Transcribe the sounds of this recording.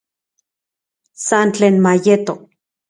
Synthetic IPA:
sant͡ɬeːnmajet̪o

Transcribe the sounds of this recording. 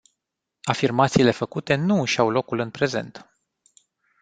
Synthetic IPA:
afirmat̪siːle̞fəkut̪e̞nuɨʃawlo̞kulɨnpɾe̞ze̞̰nt̪

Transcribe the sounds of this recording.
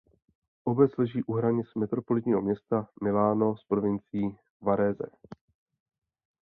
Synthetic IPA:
ʔobɛt͡slɛʒiːʔuɦɾaɲɪt͡smɛt̪ɾo̞po̞lɪt̪ɲiːɦo̞mɲɛst̪amɪlaːno̞spɾovɪnt͡sɪjiː | vaɾɛzɛ̰

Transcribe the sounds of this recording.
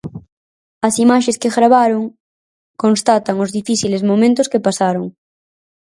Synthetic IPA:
asimaʃeskeɣɾaβaɾoŋ | kõnst̪at̪aŋozðifiθilezmõmẽnt̪oskepasaɾoŋ

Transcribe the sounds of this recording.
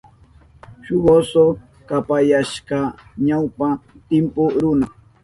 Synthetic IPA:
ʃʊɢoso | kapajaʃkɑɲawpat̪ɪmpʊɾʊna

